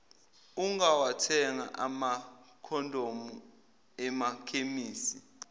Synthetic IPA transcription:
uŋawatʰɛŋa̰ʔamakʰɔndʱomu | ɛmakʰemiːsi

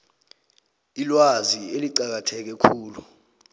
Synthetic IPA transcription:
ilwazieliǃak̬atʰɛk̬ɛkʰuːlu

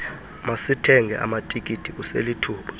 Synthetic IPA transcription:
masitʰɛŋʱɛ̰ʔa̰matʼikʼitʰʼik̬ʼusḛlitʰuːɓḁ

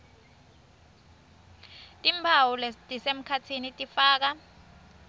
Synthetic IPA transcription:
tʼimbʱawulɛtʼisem̩kʰatʰinitʼifaːk̬a

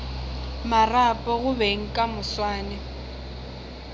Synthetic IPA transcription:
marapʼɔɣʊbeŋ̩kʼamʊswaːnɛ

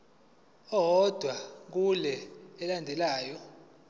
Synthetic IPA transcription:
ɔɦɔd̥ʱwak̬ulɛɛlandʱɛlaːjɔ

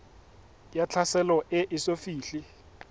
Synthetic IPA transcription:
jat͡ɬʰasɛlɔʔɪʔɪsofiːɬi

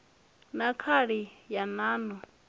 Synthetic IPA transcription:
nakʰaɺijanaːnɔ

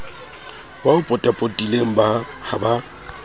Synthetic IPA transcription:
baʊpʼɔtʼapʼotʼileŋ̩ba | haba

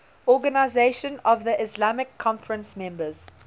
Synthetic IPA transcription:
ɔɡənaɪzeʃə̃nɔvðiʔɪslamɪkʰːɔ̃nfəɹə̃nsmɛ̃mbəz̥

